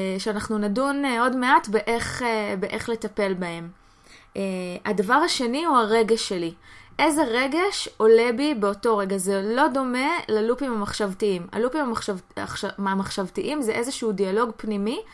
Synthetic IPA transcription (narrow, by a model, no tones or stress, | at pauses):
ʃeanaχnunaduno̞dmeatbeʔeχebeʔeχle̞tape̞lbae̞m | eadavaʁaʃe̞niuaʁe̞ɡeʃːe̞liʔe̞ze̞ʁe̞ɡe̞ʃo̞le̞bibeo̞to̞ʁe̞ɡazelo̞do̞me̞lalupimhamaχʃavtiima̰lupim | amaχʃavtiʔimzeʔezeʃuudialo̞ɡpnimi